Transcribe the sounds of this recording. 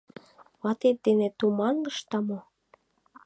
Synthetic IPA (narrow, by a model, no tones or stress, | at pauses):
βɑt̪et̪̚d̪enĕt̪umɑnləʃt̪ɑmo